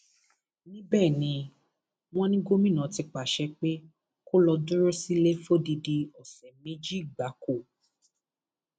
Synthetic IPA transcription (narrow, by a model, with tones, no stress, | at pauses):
nĩ˦bɛː˦˨nĩ˧ | w̃ɔ̃˦nĩ˦ɡo˦mĩ˦˨nã˨˦ti˧k͡pa˨ʃɛ˧˦k͡pe˦ | ko˦lɔ˧dũ˦ɾo˦si˦le˦fo˦˨di˧di˧ɔ˨sɛ˨mẽ˦d͡ʒi˦˨ɡ͡ba˨˦ko˦˨